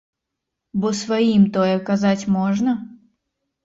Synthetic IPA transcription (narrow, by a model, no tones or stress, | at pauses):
bɔsvajimt̪ɔjɛkazat͡sʲmɔʐnɐ